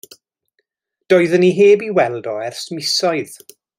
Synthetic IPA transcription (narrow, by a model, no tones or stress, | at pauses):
d̥oːɨðəniɦeːbiwɛlˠdɔɛrsmɪsɔɨð